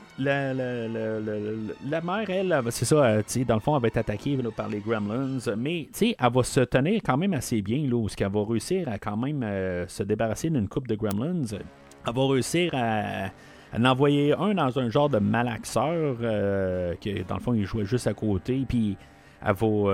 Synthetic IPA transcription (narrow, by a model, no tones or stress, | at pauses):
lallələlamɛːʁɛlsesɔøt͡sed̪ɑ̃ləfɔ̃alvɑɛt̪at̪akʲʰelɔpaʁleɡʁɛmlɛnzmɛt͡seʔavɔsət̪əniːʁkɑ̃ːmɛ̃masebjɛ̃lɔɛskalvɔʁeysiːʁakɑ̃ːmɛ̃məsəd̪ebaʁased̪ynkʰʊp̚d̪əɡɹɛmlɛnz | avɔʁeysiːʁa̰ː | nɑ̃vwajeœ̃d̪ɑ̃zœ̃ʒɑ̃ːʁd̪əmalaksœːʁøkʲəd̪ɑ̰̃ləfɔ̃ilʒwɛʒʏst̪akoːt̪epi | a̰vɔ